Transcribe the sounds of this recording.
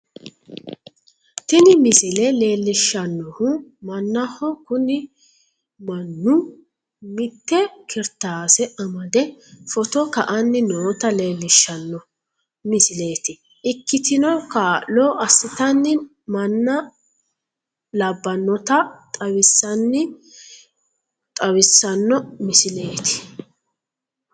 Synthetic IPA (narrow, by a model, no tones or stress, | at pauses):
t̪ɪnɪmɪsɪlɛle̞ːlːɪʃːɐnːɔhʊmɐnːɐhɔkʊnɪ | mɐnːʊ | mɪt̪ːɛkɪɾt̪aːsɛɐmɐd̪ɛfɔt̪ɔkɐʔɐnːɪnoːt̪ɐle̞ːlːɪʃːɐnːɔ | mɪsɪle̞ːt̪ɪ | ʔɪkːɪt̪ɪnɔkaːlɔːʔɐsːɪt̪ɐnːɪ | mɐnːɐ | lɐbːɐnːɔt̪ɐt̪ʼɐwɪsːɐnːɪ | t̪ʼɐwɪsːɐnːɔmɪsɪle̞ːt̪ɪ̥